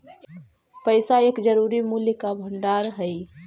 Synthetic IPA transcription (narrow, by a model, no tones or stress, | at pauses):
pəɪsaeːkd͡ʒəɾuːɾimuljəkabʱəɳɖaːɾɦəi